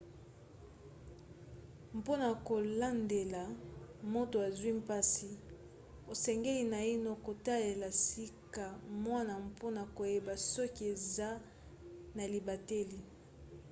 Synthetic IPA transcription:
m˨po˦na˨ko˨la˦nde˨la˨mo˦to˨a˨zwi˦mpa˦si˨ | o˨sɛ˨ŋɡe˦li˨na˨i˦no˦ko˨ta˦le˨la˨si˦ka˨mwa˦na˨mpʰo˦na˨ko˨je˦ba˨sɔ˦ki˨˦e˨za˦ | na˨li˨ba˨te˦li˨

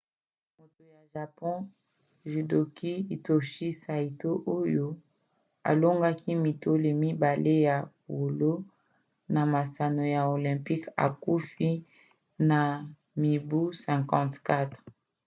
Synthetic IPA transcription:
mo˨to˨ja˨ʒa˨pɔ̃˦ | ʒi˨do˨ki˦i˨to˨ʃi˦sa˨i˨to˦ʔo˦jo˦ | a̰˨lo˦ŋɡa˦ki˦mi˨to˦le˨mi˦ba˨le˦ja˨po˨lo˦ | na˨ma˨sa˨no˨ja˨o˨lɛ̃˨mpi˦ka̰˨ku˦fi˦ | na˨ | mi˨bu˦sɛ̃˨kɑ̃˦tka˦tʁ

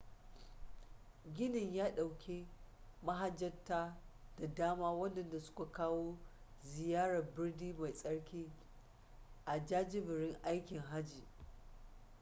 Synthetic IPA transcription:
ɡʲɪ˦nɪ˨ɲjaː˦ɗa˨wkʲe˦ma˦ɦa˦d͡ʒːɐ˦tːaː˦d̥a˨daː˦maː˦wɐ˦ndɐ˨nda˨sʊ̥˦ka˨kaː˦woː˦ | zɪ˨jaː˦ɽɐ˨rbɪ˦rdiː˦ma˨jsʼɐ˦ɽkʲiː˦ | ʔa˨d͡ʒaː˦d͡ʒɪ˦bɪ˨ɽɪ˦ŋʔa˦jkʲɪ˨ŋɦa˦d͡ʒiː˨

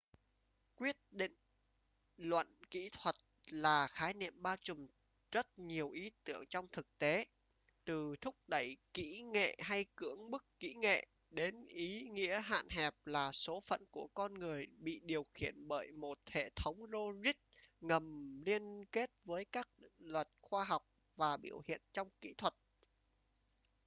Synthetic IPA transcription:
kwi˦˥ət̚ɗḭ̈˧˨ŋ̟ | lwə̰˧˨nkḭ˧˥t̪ʰwə˨˩t̚laː˨˩xaː˨˦jnḭ˧˨əmɓaː˧wt͡ɕʊ˨˩ŋ͡m | z̥ə˦˥t̚ɲi˨˩əwʔi˨˦t̪ɨ̰˧˩˨əŋt͡ɕɔ˧wŋ͡mt̪ʰɨ˨˩k̚t̪e˨˦ | t̪ɨ˨˩t̪ʰʊ˦˥k͡p̚ɗə˧˩jkḭ˧˥ŋḛ˧˨ɦa˧jkɨ˧˥əŋɓɨ˦˥kːḭ˧˥ŋḛ˧˨ | ɗe˨˦nʔi˨˦ŋḭ˧˥əɦa̰ː˧˨nɦɛ˨˩p̚laː˨˩so˨˦fə̰˧˨nku˧˩əkɔ˧nŋɨ˨˩əjɓḭ˧˨ɗi˨˩əwxḭ˧˩˨ənɓəː˧˩jmo˨˩t̚hḛ˧˨t̪ʰə˨˦wŋ͡mzo˧zi˦˥t̚ŋə˨˩mli˧ənke˦˥t̚vəː˨˦jkaː˦˥k̚ŋlwə˨˩t̚xwaː˧ɦa˨˩wk͡p̚ | vaː˨˩ɓḭ˧˩əwhḭ˧˨ənt͡ɕɔ˧wŋ͡mkḭ˧˥t̪ʰwə˨˩t̚

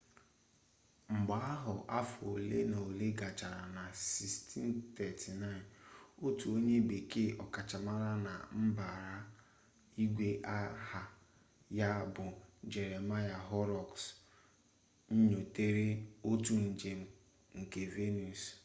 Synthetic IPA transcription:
ŋ͡m̩˨ɡ͡ba˦a˦ɦʊ˨ʔa˦fo˨le˦na˨o˨le˦ɡa˨t͡ʃa˨ɾa˨na˨si˨stʰi˦n˦t̪ɛ˨tʰi˨na˦˨ɪ˨no˦tu˨o˦ɲe˦be˨ke˦ʔɔ˨ka˨t͡ʃa˨ma˦ɾa˦na̰˨m̩˦ba˨ɾa˦ | i˦ɡʷe˦ʔa˦ha˨ | ja˦bʊ˨d͡ʒe˨ɾe˨ma˦ja˨ɦɔ˦ɾɔ˨ks | ɲ̩˦ɲo˨te˦ɾe˦o˦tu˨n̩˨d͡ʒe˨m̩˦ | ŋ̩˨ke˨ve˦nu˨s

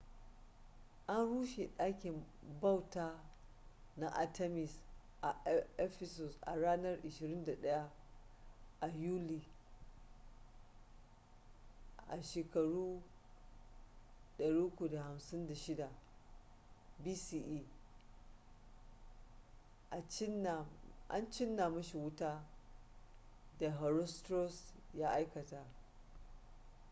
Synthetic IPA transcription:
ʔa˦nɽuː˦ʃe˨ɗaː˦kʲɪ˨mba˦˨wtaː˦ | na˦ʔa˨tʰɛ˦mɪ˨s | ʔa˨ɛ˦ɸɛ˦sɔ˨sʔa̰˨ɽaː˦nɐ˦rʔɪ˨ʃɪ˨ɾɪ˦nda˨ɗɐ˦ja˦ | ʔa˨juː˦liː˨ | ʔa̰˨ʃeː˨kɐ˨ɽuː˦ | ɗɐ˨ɽiː˦kʷu˨da˨ha˨msɪ˦nda˨ʃɪ˦da˨ | biː˦siː˨ʔiː˦ | ʔa˨t͡ʃɪ˦na˨ʔa̰˦nt͡ʃɪ˦nːa˨mɐ˦ʃi˨wʊ˦taː˦ | da˨ɦɔ˨ɾɔ˦stɾɔ˦sjaː˦ʔa˦jkɐ˨ta˦

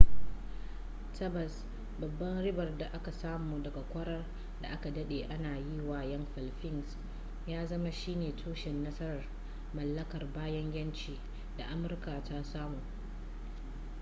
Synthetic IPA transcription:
tʰɐ˦bɐ˨s | bɐ˨bːɐ˦nɽɪ˦bɐ˨rda˨ʔa˦ka˨saː˦muː˨dɐ˨ɡa˨kʷɐ˦ɽɐ˦r | da˨ʔa˦ka˨dɐ˦ɗeː˨ʔa˦naː˨ji˦waː˨jɐ˦mɸɐ˨lɸɪ˦ns | jaː˦zɐ˦ma˦ʃiː˦neː˨tʰuː˦ʃɪ˨nːɐ˦sɐ˦ɾɐ˨r | mɐ˨lːɐ˦kɐ˨rbaː˦jɐ˦ŋjʲɐ˦nt͡ʃiː˨ | da˨ʔa˦mʊ˨rkaː˨ta˦saː˦muː˨

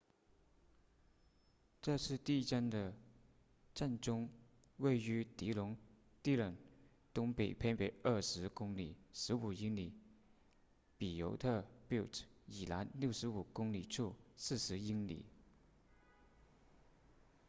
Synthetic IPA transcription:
ʈ͡ʂɤ˥˧ʂʰɻ̩˥˧t̪i˥˧˥ʈ͡ʂa˥˩nd̪ə˨ | ʈ͡ʂa˥˧nʈ͡ʂʊ˥ŋ | we˥˩ɪy˧˥t̪i˧˥lʊ˧˥ŋ | t̪i˥˩lə˨˩n | t̪ʊ˥ŋpe˨˩ɪpʰe˥ɪpe˨˩ɪə˥˩ʂɻ̩˧˥kʊ˥ŋli˨˩˦ʂɻ̩˧˥u˨˩i˥ŋli˨˩˦ | pi˨˩jo˧˥ʊt̪ʰɤ˥˩pi˥˩ʊtʰi˨˩la˧˥nljo˥˩ʊʂɻ̩˧˥u˨˩kʊ˥ŋli˨˩ʈ͡ʂʰu˥˩sɹ̩˥˩ʂɻ̩˧˥i˥ŋlḭ˨˩˦

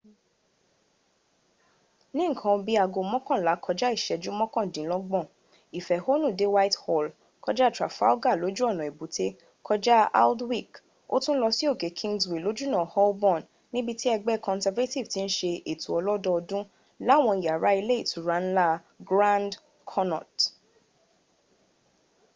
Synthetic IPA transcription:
nĩ˦ŋ̩˦˨kʰã˧bi˦a˧ɡo˧mɔ̃˦kɔ̃˦˨la˨˦kʰɔ˧d͡ʒa˦i˦˨ʃɛ˨d͡ʒu˦mɔ̃˦kɔ̃˦˨dĩ˨˦lɔ˦ɡ͡bɔ̃˦˨ | i˨fɛ˨ho˦nũ˦˨de˨˦wa˦i˦thɔ˦˨l | kɔ˧˦d͡ʒa˦tɾa˨fa̰˦o˦ɡa˦˨lo˨˦d͡ʒu˦ɔ˦˨nɔ̃˨e˨bu˨˦te˦ | kʰɔ˧d͡ʒa˦a̰˦ldwi˦˨k | o̰˦tũ˦n̩˦lɔ˧si˦o˦˨ke˨˦kʰĩ˦ŋɡswi˨lo˨˦d͡ʒu˦nã˨hɔ˦bɔ̃˦˨n | nːĩ˦bi˧ti˦ɛ˧ɡ͡bɛ˦kʰɔ̃˧nsɛ˧va˦ti˦˨vti˦ñ̩˦ʃe˧ʔe˨tu˨ɔ˧lɔ˦dɔ˦ɔ˧dũ˦ | la˦˨w̃ɔ̃˧i˨ja˨ɾa˨˦i˧le˦i˦˨tʰu˨˦ɾa˨˦n̩˦la˦ | ɡɾã˦nd | kʰɔ˦nɔ̰˨t

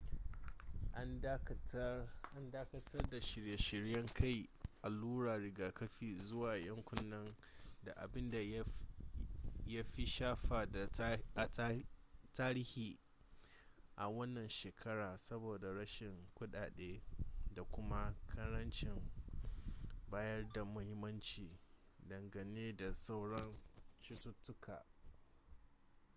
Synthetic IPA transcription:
ʔa˦ | ʔa˦ndaː˦kɐ˦tʰɐ˦rda˨ʃɪ˨ɾja˨ʃɪ˨ɾjɐ˦ŋkʰa˦˨jʔa˨luː˦ɽaː˨ɽɪ˨ɡaː˨kɐ˦ɸiː˦˨zʊ˦waː˨jɐ˦ŋkʷʊ˦nːɐ˦n | da˨ʔa̰˨bɪ˦nda˨˦ | ja˦ɸi˦ʃaː˦ɸaː˨da˨a˨˦taː˦ɾi˦hiː˨ | ʔa˨wɐ˦nːɐ˨nʃeː˨kʰɐ˦ɾaː˨sɐ˦boː˨da˨ɽɐ˦ʃɪ˨ŋkʷʊ˦ɗaː˨ɗeː˦da˨kʷʊ˦ma˦kʰɐ˦ɾɐ˦nt͡ʃɪ˨ŋ | baː˦jɐ˦rda˨mʊ˦hɪ˦mːɐ˦nt͡ʃiː˨ | dɐ˨ŋɡɐ˨neː˦da˨sa˦wɽɐ˦nt͡ʃɪ˦tʊ˦tːʊ˦kʰaː˨

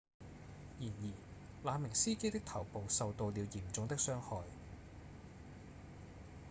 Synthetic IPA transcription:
jiː˨˩njiː˨˩ | laː˨˧mɪ˨˩ŋsiː˥ke˥jt̪ɪ˥k̚t̪ʰɐ˨˩wpo˨wsɐ˨˧wt̪o˧wli˨˧wjiː˨˩mt͡sʊ˨˧ŋt̪ɪ˥k̚sœː˥ŋhɔː˨˧j

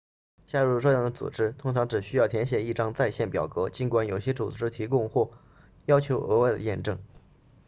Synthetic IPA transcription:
t͡ɕja˥ɻu˥˩ʂɤ˥˧jɑ˥˩ŋd̪ə˦t͡sṵ˨˩ʈ͡ʂɻ̩˥t̪ʰʊ˥ŋʈ͡ʂʰɑ˧˥ŋʈ͡ʂɻ̩˨˩ɕy˥jɑ˥˩ʊt̪ʰjɛ˧˥nɕ̬jɛ˨˩i˥˩ʈ͡ʂɑ˥ŋt͡sa˥˧ɪɕjɛ˥˩npjɑ̰˨˩ʊkɤ˧˥t͡ɕi˧˥nkwa˧˥njo˨˩ʊɕjɛ˥t͡sṵ˨˩ʈ͡ʂɻ̩˥t̪ʰi˧˥kʊ˥˧ŋxwɔ˥˩ | jɑ˥ʊt͡ɕʰjo˧˥ʊʔɤ˧˥we˥˩ɪd̪ə̰˦jɛ̰˥˧nʈ͡ʂɤ˥˩ŋ

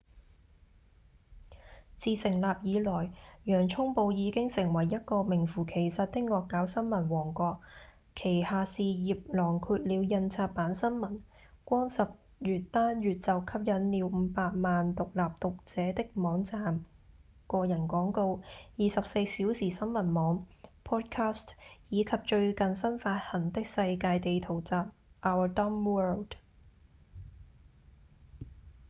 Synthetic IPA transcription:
t͡siː˧sɪ˨˩ŋlaː˨p̚jiː˨˧lɔː˨˩jjœː˨˩ŋt͡ʃʰʊ˥ŋpo˧wjiː˨˧kɪ˥ŋsɪ˨˩ŋwɐ˨˩jːɐ˥t̚kɔː˧mɪ˨˩ŋfuː˨˩kʰe˨˩jsɐ˨t̚t̪ɪ˥k̚ŋɔː˧kːaː˨˥wsɐ˥nmɐ˨˩nwɔː˨˩ŋkʷɔː˧k̚ | kʰːe˨˩jhaː˨siː˨jiː˨p̚lɔː˨˩ŋkʰyː˧t̚liː˨˧wjɐ˧nt͡sʰaː˧t̚paː˨˥nsɐ˥nmɐ˨˩n | kʷɔː˥ŋsɐ˨p̚ | jyː˨tt̪aː˥njyː˨t̚t͡sɐ˨˩wkʰɐ˥p̚jɐ˨˥nliː˨˧˥wm̩ː˨˧˦paː˧t̚maː˨nt̪ʊ˨k̚laː˨p̚t̪ʊ˨k̚t͡sɛː˨˥t̪ɪ˥k̚mɔː˨˥ŋt͡saː˨m | kɔː˧jɐ˨˩nkʷɔː˨˥ŋko˧wjiː˨˧sɐ˨p̚se˧jsiː˨˥wsiː˨˩sɐ˥nmɐ˨˩nmɔː˨˥ŋpʰɔː˥t̚kʰaː˥stjiː˨˧kʰɐ˨p̚t͡ʃɵ˧ɥkɐ˨nsɐ˥nfaː˧t̚hɐ˨˩nt̪ɪ˥k̚sɐ˧jkaː˧jt̪e˨jt̪ʰo˨˩wt͡saː˨p̚ʔaː˧wə˨˩tɔ˥mwɜː˥ld

